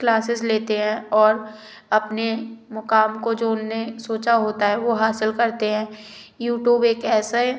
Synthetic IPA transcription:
klaːsɪzleːt̪eɦɛ̃ɔːɾ | ɐpnemʊkaːmkod͡ʒoːʊnnẽsoːt͡ʃaɦoːt̪aɦɛʋoɦaːsɪlkɐɾt̪eɦɛ̃ː | juːʈjuːbeːkɛːsa

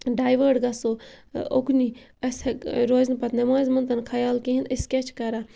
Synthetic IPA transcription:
ɖaːjʋəɾɖɡɐsookni | ɐseɾoːznpɐt̪nɐmaːzmɐnt̪ɐnkʰɐjaːlkiɦiniskʲet͡ʃʰkɐɾa

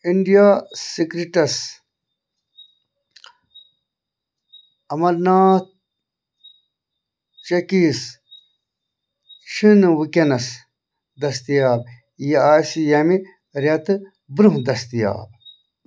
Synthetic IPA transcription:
iɳɖijaːsikɾiʈɐs | ɐmɐɾnaːt̪̚ | t͡ʃɐkiːs | ʃinɨʋɨkʲɐnɐs | d̪ɐst̪ijaːb̚ | jeaːsijɐmi | ɾʲɐt̪ɨ | bɾuɦd̪ɐst̪ija̰ːb̚

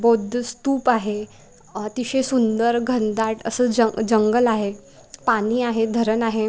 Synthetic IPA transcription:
bod̪ʱst̪uːpaɦe | t̪iɕesund̪əɾɡʱənd̪aʈʰə̰səd͡ʑəd͡ʑəŋɡəlaɦe | pañiːaɦed̪ʱəɾənaɦe

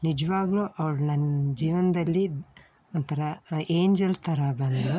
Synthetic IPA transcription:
nid͡ʒɐʋaːɡluːʔɐʋɐɽunɐnːd͡ʒiːʋɐnd̪ɐlːi | ont̪ʰɐɾɐeːɲd͡ʒɐlt̪ʰɐɾɐbɐnd̪u

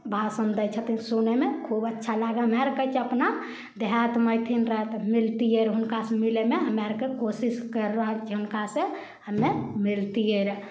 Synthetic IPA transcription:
bʱasənd̪ət͡ʃʰət̪insunemekʰubətːʃʰalaɡeɦəmaɾkəjt͡ʃʰeəpna | d̪ʱat̪məjt̪ʰinɾəɦɛt̪milt̪ijeɾɦunkasemilemeɦəmaɾkekosiskəɾɾakt͡ʃʰeɦunkasẽ | ɦəmːemilt̪ieɾɛ

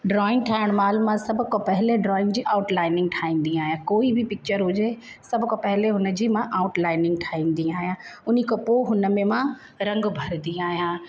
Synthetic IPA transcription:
ɖɾɔːɪ̃ŋɡʈʰaːɪɽ̃maːlmãsɐbʱʊkãpɐɦɪleɖɾɔːɪ̃ŋɡd͡ʑiːʔaːʊʈlaːɪnɪ̃ŋɡ̚ʈʰaːĩːn̆d̪ĩaːɦijãkoːibɪpɪk̚t͡ɕəɾɦʊd͡ʑe | sɐbʱʊkãpɐɦɪleɦʊnə̆d͡ʑiːmãʔaːʊʈlaːɪnɪ̃ŋɡ̚ʈʰaːĩːn̆d̪ĩaːɦijãʊnikopoːɦʊnəmẽmã | ɾɐ̃ŋɡbʱɐɾd̪iaːɦijãː

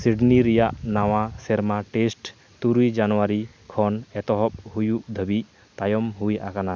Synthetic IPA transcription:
siɖniɾɛjaʔnawasɛɾmaʈesʈ | t̪uɾujd͡ʒanɔwaɾi | kʰɔnɛt̪ɔɦɔp̚hujuʔd̪ʱəbiʔ | t̪ajɔmɦujʔakana

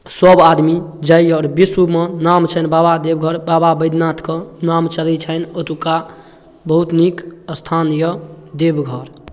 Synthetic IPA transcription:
səbad̪mid͡ʒəjɔːɾbisumenamt͡ʃʰənbabad̪ebɡʱəɾbababəjd̪nat̪ʰkɔnamt͡ʃəlɛt͡ʃʰənət̪uka | bəɦut̪nikəst̪ʰanijəd̪ebɡʱəɾ

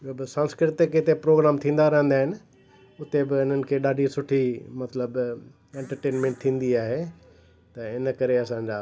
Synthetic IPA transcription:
ɪobɪsãːnskɾɪt̪eket̪epɾoːɡɾaːmt̪ʰĩːn̆d̪aɾɐɦə̃nd̪aːɦɪnɪ̆ | ʊt̪ebɪɪn̤ənɪ̆kʰeːɗaːɖʱisʊʈʰimɐt̪ləb | ẽːɳʈəɾʈeːnmẽːɳʈ̚t̪ʰĩːn̆d̪iaːɦe | t̪ɐɪnə̆kɐɾeɐsãɲd͡ʑaː

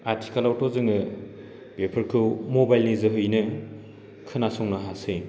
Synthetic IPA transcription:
aɾtʰi̥kalawtʰɔzɯŋɯ | bepʰɐɾkʰɯwmobajlnizɯɦɯjnɯ | kʰɯnasɔŋnɯɦase

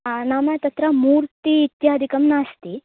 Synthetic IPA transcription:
naːmɐt̪ɐt̪ɾɐmuːɾt̪iːt̪jaːd̪ʱikɐmnaːst̪i

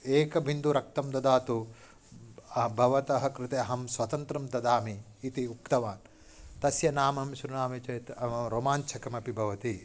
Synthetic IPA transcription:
eːkɐbʱind̪uɾɐk̚t̪ɐmd̪ɐd̪aːt̪u | ɐbʱɐʋɐt̪ɐɦɐ̆kɾɪt̪eɐɦɐmsʋɐt̪ɐnt̪ɾɐmd̪ɐd̪aːmiː | t̪iuk̚t̪ɐʋaːn | t̪ɐsjɐnaːmɐmʃɾunaːmɐt͡ʃɐjt̪ɐɐɾoːmaːnt͡ʃʰɐkɐmɐpibʱɐʋɐt̪i

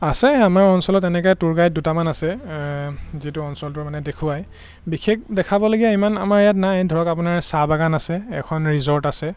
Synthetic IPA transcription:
asɛamaɹɔnsɔlɔtɛnɛkɔjtuɹɡajdutamanasɛ | zituɔnsɔltʊɹmanɛdekʰuwaj | bixʰek̚dɛkʰabɔloɡijaimana̰maɹɛjatnajdʱɔɹɔkap̬ʊnaɹsabaɡanasɛɛ̰kʰɔnɹizɔɹtasɛ

